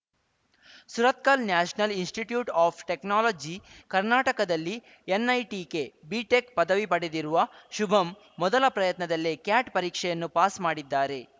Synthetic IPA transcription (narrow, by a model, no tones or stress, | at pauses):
suɾɐt̪̚kalnjaːʃɐnɐlinsʈiʈjuːʈaːpʰʈeknaːloːd͡ʒikɐɾnaːʈɐkɐd̪ɐlːi | enːɐjʈiːke̞biːʈekpɐd̪ɐʋipɐɽe̞d̪iɾuʋɐʃubʱɐmː | ɔd̪ɐlɐpɾɐjɐt̪nɐd̪ɐlːekjaːʈpɐɾiːkʂɛjɐnːupaːsmaːɽid̪ːaːɾe̞